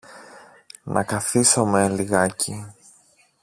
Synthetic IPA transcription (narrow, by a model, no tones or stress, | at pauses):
nʔɐ̰kɐθiso̞meliɣɐci